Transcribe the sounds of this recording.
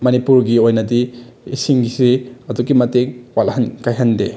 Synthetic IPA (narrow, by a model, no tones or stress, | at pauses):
mɐnipuɾɡiojnɐdiː | siŋɡisiɐduɡimɐteŋwalhɐnkajɦɐnde